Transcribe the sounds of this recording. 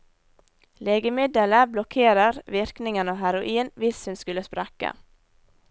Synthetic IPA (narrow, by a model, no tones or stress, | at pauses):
leːɡəmɪd̪ələblɔkʰeːɾəɾʋɪɾknɪŋənoːɦæɾʊʔiːnʋɪshʉnskʉləspɾɑka̰